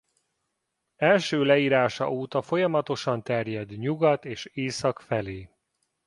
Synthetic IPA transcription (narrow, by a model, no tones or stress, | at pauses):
ɛlʃøːlɛiːɾaːʃɒ̰uːt̪ɒfo̞jɒmɒt̪o̞ʃɒnt̪ɛrjɛd̪ɲuɡɒt̪eːʃeːsɒkfɛleː